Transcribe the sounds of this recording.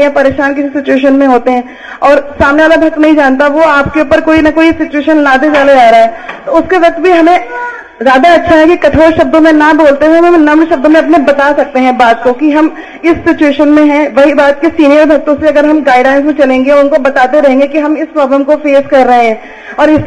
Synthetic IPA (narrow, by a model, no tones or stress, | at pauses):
jãpɐɾeːʃaːnkɪsisɪt͡ʃueːʃ̬ənmẽɦoːt̪eɦɛ̃ː | ɔːɾsaːmneʋaːlabʱɐk̚t̪nɐɦĩd͡ʒaːnt̪aʋoaːpkeuːpəɾkoːinɐkoːisɪt͡ʃueːʃənnaːd̪ed͡ʒaːled͡ʒaːɾaɦɛːt̪oʊskeʋɐk̚t̪̚bʱiɦɐmẽ | zjaːd̪aɐtːʃʰaɦɛkikɐʈʰoːɾʃɐb̚d̪õmẽnɐboːlt̪eɦɛ̃mɐ̃mnɐmɽʃɐb̚d̪õmẽɐp̬nẽbɐt̪asɐk̚t̪eɦɛ̃baːd̪̚kokiɦɐm | ɪsːɪt͡ʃueːʃənmẽɦɛ̃ʋɐɦibaːt̪̚kesiːnijəɾbʱɐk̚t̪õseɐɡəɾɦɐmɡaːɪɖlaːɪns̬mẽt͡ʃɐlẽːŋɡeɔʊnkobɐt̪aːt̪eɾɐɦẽːŋɡekiɦɐmɪspɾɔːbləmkofeːzkɐɾːɐɦẽɦɛ̃ː | ɔːɾɪs